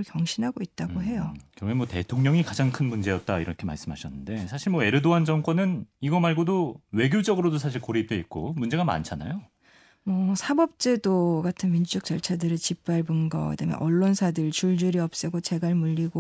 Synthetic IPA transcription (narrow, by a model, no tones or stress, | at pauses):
ɯɭkjʌŋɕʰinɦaɡoit̚t͈aɡoɦe̞jokɯɾʌɡemwʌte̞tʰoŋɲʌŋikad͡ʑaŋkʰɯnmund͡ʑe̞jʌt̚t͈aiɾʌkʰema̰ɭs͈ɯmɦaɕʰʌnːɯnde̞sʰaɕʰiɭmʌe̞ɾɯdoand͡ʑʌŋk͈ʌnɯniɡʌmaɭɡodowe̞ɡjod͡ʑʌɡɯɾodosʰaɕ̬ʰiɭkoɾip̚t͈we̞it̚k͈omund͡ʑe̞ɡama̰nt͡ɕʰana̰jo | mʌsʰabʌp̚t͡ɕ͈e̞doɡatʰɯnmind͡ʑud͡ʑʌk̚t͡ɕʌɭt͡ɕʰadɯɾɯt͡ɕip̚p͈aɭbunɡʌḛdamjʌ̰nʔʌɭːonsʰadɯɭt͡ɕuɭd͡ʑuɾiʌp̚s͈ɯɡot͡ɕe̞ɡaɭmuʎːiɡo